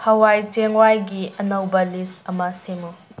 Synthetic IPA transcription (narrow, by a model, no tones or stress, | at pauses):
hɐwajd͡ʒeŋwajɡiʔɐnɐwbɐlisɐmɐsemu